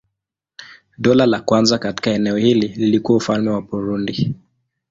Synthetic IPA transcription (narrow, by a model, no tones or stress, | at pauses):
ɗɔlalakwanzakati̥kaɛnɛɔhilililikuwaufalmɛwabuɾundi